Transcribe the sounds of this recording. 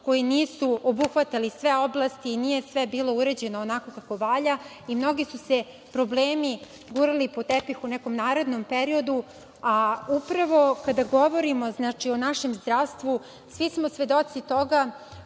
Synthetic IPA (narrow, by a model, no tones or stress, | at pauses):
ko̞jiniːsuobuxʋat̪alisʋeo̞blˠast̪iːnije̞sʋebiːlo̞uɾed͡ʑe̞noonako̞kako̞ʋaʎa | imno̞ɡisuse | pɾo̞bleːmi | ɡuɾalipot̪epixunɛko̞mnaːɾe̞d̪nompeɾio̞d̪u | aupɾaʋo̞kad̪aɡo̞ʋo̞ɾimo̞znat͡ʂio̞naʃe̞mzd̪ɾaʋst̪ʋu | sʋismo̞sʋe̞d̪o̞t̪sit̪o̞ɡa